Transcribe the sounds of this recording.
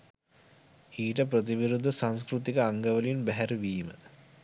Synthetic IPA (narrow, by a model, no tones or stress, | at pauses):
iːʈəp̬rət̪iʋiɾud̪ʱːɐsanskɾut̪ikɐaŋɡɐʋɐlijunbæɦæɾʋiːmə